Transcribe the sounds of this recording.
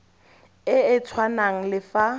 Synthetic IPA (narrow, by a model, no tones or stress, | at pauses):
ɪɪt͡sʰwanaŋ̩lɪfa